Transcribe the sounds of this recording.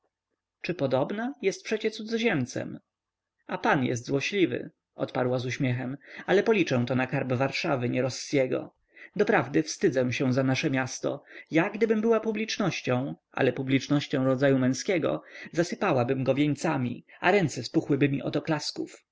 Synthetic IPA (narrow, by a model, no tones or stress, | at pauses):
t͡ʂɘpɔd̪ɔbnajɛst̪̚pʂɛt͡ɕɛt̪sud̪zɔʑɛmt̪sɛ̰m | apanjɛ̰s̬t̪zwɔɕlʲivɘ̰ | ʔɔ̰t̪paɾwazuɕmʲɛxɛmalɛpɔlʲit͡ʂɛ̃w̃t̪ɔnakaɾbvaɾʂavɘɲɛɾɔsːjɛɡɔ̰ | d̪ɔpɾavd̪ɘfst̪ɘd̪zɛw̃ɕɛ̃w̃zanaʂɛmʲjast̪ɔ̰jaɡd̪ɘbɘmbɘwapublʲit͡ʂnɔɕt͡ɕɔ̃w̃ʔa̰lɛpublʲit͡ʂnɔɕt͡ɕɔ̃w̃ɾɔd̪zajumɛ̃skʲɛɡɔ̰zasɘpawabɘmɡɔvʲjeɲt̪samʲḭa̰ɾɛnt̪sɛspuxwɘbɘmʲiʔɔ̰t̪ɔklaskuf